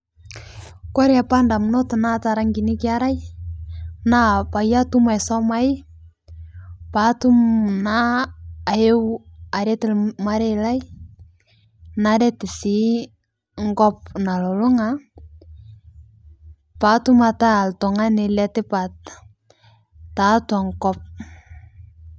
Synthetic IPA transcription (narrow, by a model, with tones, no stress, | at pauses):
kɔ˦ɾa˨pa˦nda˨mnɔ˦tna˦ta˨ɾa˦ŋɡi˨nɪ˦kɪ˦a˦ɾa˦j | na˦pa˨ja˦tu˦ma˨jsɔ˦ma˦ɪ˦ | pa˨tu˦mnaː˦˨ | je˦wa˨ɾɛ˦tɪ˦˨lma˦ɾe˦la˦j | naɾɛ˦tɪ˨sɪ˦ | ŋɡɔ˦p̚na˨lɔ˨lʊ˦ŋa | patu˦ma˨ta˦˨ltɔ˨ŋa˦nɪ˨lɛ˦tɪ˦pa˨t | ta˨twa˨ŋkɔp̚